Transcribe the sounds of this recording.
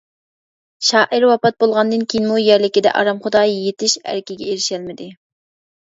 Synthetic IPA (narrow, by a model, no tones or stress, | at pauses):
ʃɑːʔɪɾwɑpɑt̪̚bolˠʁɑnd̪ɨnkʲʰejinmujæɾlɪkʲid̪ɛ̰ʔɑ̰ɾɑmχʊd̪ɑːjet̪ɪʃæ̰ɾkʲɪɡʲɛeɾɪʃɛlmɪd̪ɪ